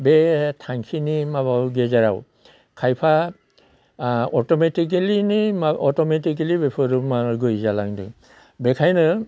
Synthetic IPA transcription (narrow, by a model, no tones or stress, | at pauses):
bɛtʰaŋkʰinimaβawɡɛzaɹaw | kʰajpʰa | ɔtɔmetik̬ilinimaɔtɔmetik̬ilibɛpʰɔɾumaɡojzalaŋdɯ̰ | bɛkʰajnɯ